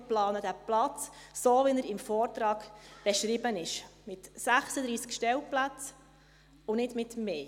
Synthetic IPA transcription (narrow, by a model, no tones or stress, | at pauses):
plɑːnəd̥̪æplɑt͡s | soːʋɪnəɾɪmfɔːɾtɾɑːɡ̥b̥ɛʃɾɪbənɪʃmɪtsæχsəd̪ɾiːskʃtɛlplæt͡s | ʊnɪdmɪtmeː